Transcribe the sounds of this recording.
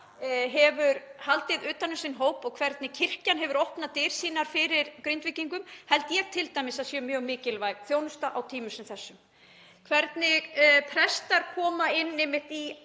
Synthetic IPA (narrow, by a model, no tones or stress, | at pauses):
ɦɛvʏɾhalt̪ɪðʏːt̪anːʏmsɪnɦoːwpɔɣkʰvɛɾt̪nɪcʰɪr̥canɦɛvʏɾohpnat̪ɪːɾ̥siːnaɾ̥fɪɾɪɾkɾʏnt̪vɪciŋkʏmhɛlt̪jɛɣt̪ʰɪlt̪ajmɪsaðsjɛmjœːɣmɪːcɪlvajɣθjoːwnʏst̪aʔawt̪ʰiːmʏsɛmθɛsːʏm | kʰvɛɾt̪nɪpʰɾɛst̪aɾ̥kʰɔːmaɪnːɪmɪht̪i